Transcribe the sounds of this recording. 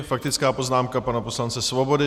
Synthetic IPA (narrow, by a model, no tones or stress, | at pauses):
fak̚t̪ɪt͡skaːpo̞znaːmkapanapo̞slant͡sɛsvo̞bo̞dɪ